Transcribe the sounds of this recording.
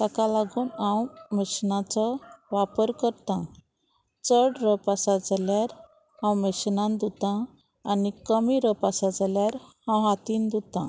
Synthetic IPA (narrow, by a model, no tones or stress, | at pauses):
t̪akãlaɡuːnãwmeɕnãt͡sɔʋapəɾkəɾt̪ã | t͡səɽɾəpasad͡zaljaɾ | hãwmeɕnãnd̪ut̪ãː | nikəmiɾəpasad͡zaljaɾhãwɦat̪iːnd̪ut̪ã̰